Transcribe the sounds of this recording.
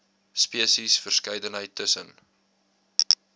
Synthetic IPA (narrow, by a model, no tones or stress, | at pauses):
spiəsisfərskɐjdənɦəjtʰːəsən